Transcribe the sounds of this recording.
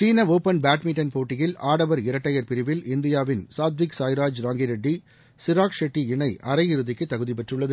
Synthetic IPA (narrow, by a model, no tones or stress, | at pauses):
t͡ʃiːnɐʋoːpɐnbaːʈmɪʈːɐnpoːʈːɪjɪlaːɽɐʋɐɾɪɾɐʈːɐjɐɾpɪɾɪʋɪlɪnd̪ɪjaːʋɪnsaːd̪ʋɪksaːjɾaːd͡ʒɾaːŋɡiɾɐɖːi | sɪɾaːkʂɛʈːiɪɳɐɪʔɐɾɐjɪɾɯðɪkːɯt̪ːɐɣɯðipɛʈrɯɭːɐðɯ